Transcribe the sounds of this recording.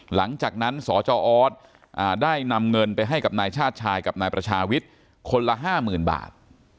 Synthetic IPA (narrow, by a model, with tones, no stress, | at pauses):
la˩˦ŋt͡ɕaː˨˩k̚na˦˥nsɔː˩˦t͡ɕɔː˧ʔɔː˦˥t̪̚ | ʔaː˨˩daː˥˩jna˧mŋɤ˧npa˧jɦa˥˩jka˨˩p̚naː˧jt͡ɕʰaː˥˩t̪̚t͡ɕʰaː˧jka˨˩p̚naː˧jpɾa˧t͡ɕʰaː˧wi˦˥t̪̚ | kʰo˧nla˧ɦaː˥˩mɯː˨˩nba̰ː˨˩t̪̚